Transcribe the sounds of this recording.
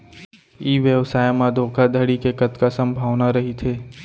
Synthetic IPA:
iːʋjəʋsaːjmãd̪ʱoːkʰad̪ʱəɽikekɐt̪kasɐ̃mbʱaːʋnaɾɐɦit̪ʰeː

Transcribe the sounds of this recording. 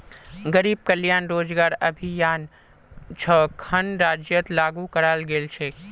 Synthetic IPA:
ɡəɾiːb̚kəljaːnɾod͡ʒɡaːɾəbʱijaːn | t͡ʃʰəkʰənɾad͡ʒjət̪laɡukəɾalɡelt͡ʃʰe

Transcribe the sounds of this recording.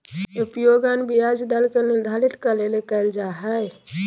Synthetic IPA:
upjoɡanbijad͡ʒd̪əlkeniɾd̪ʱalit̪kəlelekɛɪld͡ʒaɦɛj

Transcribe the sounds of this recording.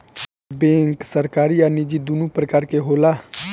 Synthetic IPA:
bẽːŋksəɾkaːɾiːaːnid͡ʒid̪unũːpɾəkaːɾkeɦoːlaː

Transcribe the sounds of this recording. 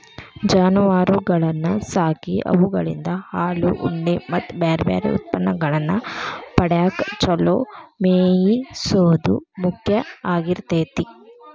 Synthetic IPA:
d͡ʒaːnuʋaːɾuɡɐɭɐnːɐsaːkiʔɐ̰ʋuɡɐɭḭnd̪ɐhaːluʔuɳɖemɐt̪ːbaːɾbja̰ːɾḛṵt̪̚pɐnːɐɡɐɭɐnːɐpɐɽjaːkt͡ʃɔlomeːjisoːd̪ṵmukʰjɐaːɡiɾt̪eːt̪i

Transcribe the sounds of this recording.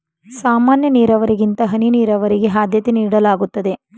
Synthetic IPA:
saːmaːnjɐniːɾɐʋɐɾiɡint̪ɐɦɐniniːɾɐʋɐɾiɡe̞ɦaːd̪ʱjɐt̪eniːɽɐlaːɡut̪ːɐd̪e̞

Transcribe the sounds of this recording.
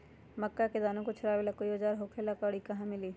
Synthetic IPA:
məkːaked̪aːnũkot͡ʃʰɐɾaːʋeːlakoiod͡ʒaːɾɦokʰelakaɽikɐɦãmɪliː

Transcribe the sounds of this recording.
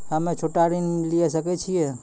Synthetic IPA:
ɦəmet͡ʃʰoʈaɾinliesəkɛt͡ʃʰijɛ

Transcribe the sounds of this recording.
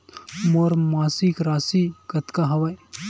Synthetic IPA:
moɾmaːsikɾaːsikɐt̪kaɦɐʋaj

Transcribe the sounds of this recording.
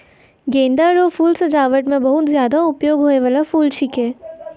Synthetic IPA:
ɡẽːnd̪aɾofuːlsɐd͡ʒaːʋəʈmẽbɐɦʊt̪zjaːd̪aʊpjoːɡɦoːeʋaːlafuːlt͡ʃʰikẽː

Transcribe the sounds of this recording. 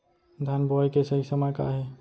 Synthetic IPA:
d̪ʱanbɔːjkesɐɦisəməjka̰ɦɛː

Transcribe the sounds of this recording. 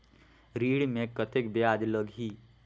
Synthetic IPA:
ɾiːɽmẽkət̪ekbjaːd͡ʒ̪ləɡɦiː

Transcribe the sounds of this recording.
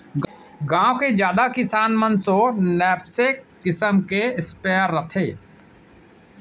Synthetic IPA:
ɡãːõked͡ʒjaːd̪akɪsaːnmənsonɛːpsekkɪsəmkeɪspɛːɾːət̪ʰeː

